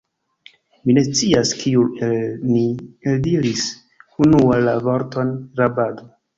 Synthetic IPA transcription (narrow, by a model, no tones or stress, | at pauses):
mine̞st͡siaskʰiuelnieldiɾis | unualavo̞ɾto̞nɾabado